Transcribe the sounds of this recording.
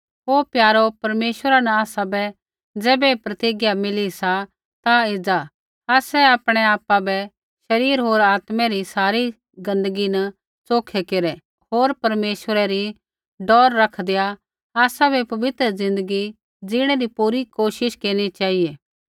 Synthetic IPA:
ɦoːpjaːɾopɐɾmeːʃʋəɾanɐaːsabɛ | d͡zɛːbɛpɾɐt̪iɡjamɪlisa | t̪aɪd͡za | aːsɛaːpɽ̃ɛaːpabɛ | ʃɐɾiːɾɦoːɾaːt̪mɛɾisaːɾi | ɡɐ̃nd̪əɡinɐ | t͡soːkʰɛkeɾɛ | ɦoːɾpɐɾmeːʃəɾɛɾi | ɖɔːɾːɐkʰd̪eja | aːsabʱɛpɐʋɪt̪ɾəzɪ̃nd̪əɡi | d͡ʒɪɽ̃ɛɾipuːɾikoːʃɪʃkeːɽ̃it͡ʃaːieː

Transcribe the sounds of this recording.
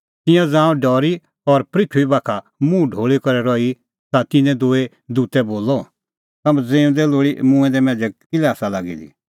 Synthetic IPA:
t̪ɪ̃jãd͡zãːɔ̃ɖɔːɾi | ɔɾpɾɪkʰuibaːkʰa | mũɖʱoːɭikɔɾɛɾɔːi | t̪at̪ɪnɛ̃d̪oːe | d̪uːt̪ɛboːlːɔ | t̪ɐmɛ̃d͡zẽːũd̪ɛloːɽimũɛ̃d̪ɛmɛ̃ːd͡ʒɛkɪlɛaːsalaːɡḭlḭ

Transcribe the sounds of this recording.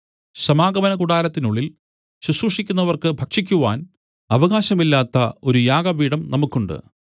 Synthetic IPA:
ɕɐmaːɡɐʋɐnɐkuɽaːɾɐt̪ːinuɭːil | ɕusuʂikʲːun̪ːɐʋɐrkɨbʱɐkʂikʲːuʋaːn | ɐʋɐɣaːɕɐmilːaːt̪ːɐo̞ɾujaːɡɐbiːɽɐmnɐmukːuɳɖɨ̰

